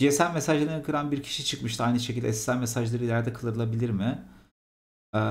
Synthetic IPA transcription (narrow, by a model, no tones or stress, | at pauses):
jesælʲmesaʒlˠaɾɯnɯkʰɯɾanbiɾcʰi̥ʃit͡ʃʰɯkmɯʃt̪ʰɯajnɯʃecilʲd̪ɛ̰si̥sælʲmesaʒlˠaɾɯilʲæɾd̪ɛkʰɯlˠɯɾɯlˠabilʲiɾmɪ | ɛ